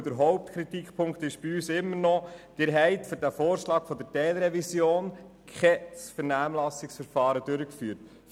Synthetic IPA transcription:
d̥əɾɦɔʊp̚tkʰɾitikpʰʊŋkt̪ɪʃb̥iyːsɪmːəɾnɔd̪̥ɪːɾɦɛɪtføɾdæfoːɾʃlɑːkfɔdəɾtɛːlɾɛvisjoːn | kʰɛsfəɾnæːmlɑsɪksfəɾfɑːɾədøɾəkfyːɾt

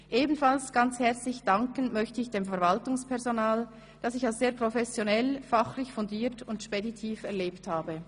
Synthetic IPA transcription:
ʔeːbn̩falsɡ̥ant͡shɛɐt͡slɪçd̥aŋkənmœçtəɪçd̥eːmfɛɐvaltʊŋspʰɛʁzonaːl | d̥asɪçalsz̥eːɐpʁ̥ofɛsjonɛlfaχlɪçfʊndiːɐtʊndʃpeditʰiːfɛɐleːpthaːbə

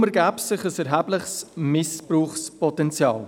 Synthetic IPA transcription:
məɾɡæːpsɪχəsɛɾɦæːblɪχsmɪspruːχspɔtɛnt͡sjɑ̰ːl

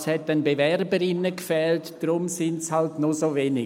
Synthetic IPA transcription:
shɛtːɛnbevɛɾbəɾɪnːəkfɛːltd̥ɾʊmsɪntshaltnosoveːnɪ

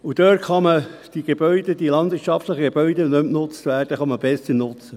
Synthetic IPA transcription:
ud̥̪øːtχɑməd̥iɡ̥eb̥œʏd̥əd̥̪ilɑnd̪ʋɪɾtt͡ʃɑftləχəɡeb̥œʏdənɵmnʊt͡st̪ʋæːrd̥əχɑməb̥ɛsəɾnʊt͡sə

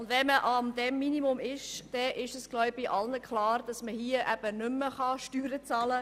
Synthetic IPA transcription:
ʊndʋɛməʔɑmd̥ɛmːinimʊmɪʃd̥ɛʔɪʃəsɡ̥lɔʊb̥ɪʔɑlnəkχlɑːɾd̥ɑsməhiəʔæb̥ənʏmːəχɑʃtyːɾət͡sɑːlə

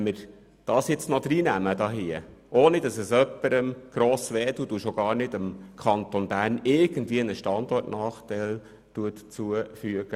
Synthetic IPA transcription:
ɛməɾ | d̥ɑːsjɪt͡snɔd̪̥ɾiːnæmədɑːɦiə | ʔoːnidɑsɛsœpːəɾəmɡ̥ɾoːsʋɛːduduʃoɡ̥ɑːɾnɪdəmkʰɑnt̪onbæːɾnɪɾɡ̥əndviːənəʃtɑndɔrtnɑːχtɛɪl | tuətt͡suəfyəɡ̥ə

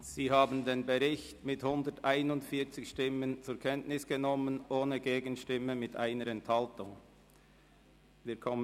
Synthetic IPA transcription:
z̥iːɦaːbən̩deːnbəʁɪçtmɪthʊndətʔaɪnʊntfiːɐt͡sɪçʃtɪmənt͡sʊːɾkʰɛntnɪsɡ̥ənɔmənʔoːnəɡeːɡənʃtɪməmɪtʔa̰ɪnəɾɛnthaltʊŋ | viːkʰɔmə

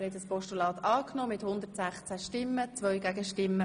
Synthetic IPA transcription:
ɾhɛt̪əspɔʃtulɑːt̪ɑːknoːmɪthʊnd̪ərtsæχt͡sæʃtɪmːət͡sʋœʏɡæɡəʃtɪmːə

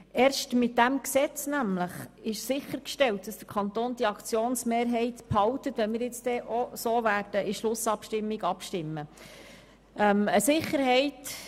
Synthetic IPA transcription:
ʔɛːɾʃtmɪt̚d̥æmksɛt͡snæmləχɪʃsɪχːəɾkʃtɛltd̥ɑsd̥əɾkʰɑnt̪oːnd̥̪iɑkt͡sjoːnsmeːɾɦɛɪtphɑltətʋɛnmɪːɾjɪt͡sd̥ɛʔosoːʋæːrd̥əʔɪʃlʊsɑpʃtɪmːiɡɑpʃtɪmːə | ʔɛməsɪχəɾɦɛɪt

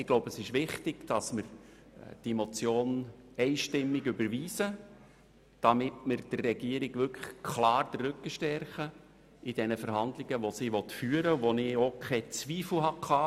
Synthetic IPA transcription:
ɪɡ̥loʊbəsɪʃʋɪχtɪɡ̥d̥ɑsməɾ | d̥imot͡sjoːnɛɪʃtɪmːɪɡʏbəɾʋiːsə | d̥ɑmɪtməɾd̥ərːɛɡiːəɾɪɡ̥ʋʏkʰχkʰlɑːrd̥̪ərːʏkːəʃtɛrχə | ɪd̥ɛnəfəɾhɑndlɪɡəʋosiːʋɔtfyːəɾəʋonɪokʰɛt͡sʋiːfl̩ɦɑkʰɑː

